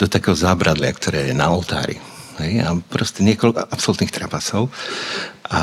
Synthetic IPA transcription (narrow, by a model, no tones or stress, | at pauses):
d̪ɔt̪akɛːɦɔzaːbɾad̪lɪa̰kt̪ɔɾɛːjɛnaɔlt̪a̰ːɾḭ | ɦɛjapɾɔscɛɲɪɛkɔlkʔapsɔlut̪nixt̪ɾapasɔʊ | ʔa